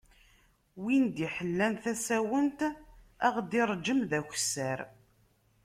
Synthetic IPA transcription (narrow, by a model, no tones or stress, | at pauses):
wind̪iħəlːænθæsæwənt̪æʁd̪iɾˤd͡ʒəmðæçʷsæɾ